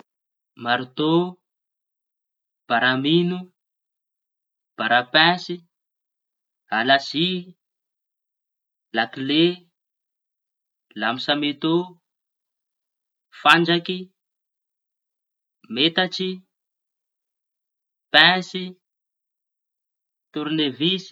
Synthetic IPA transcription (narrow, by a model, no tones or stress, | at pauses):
maɾt̪o | b̥aɾaminu | b̥aɾapɛ̃si | alasi | lakle | lamisamet̪u | fand͡ʒaki | met̪at͡ʃi | pɛ̃si | t̪uɾnevisi̥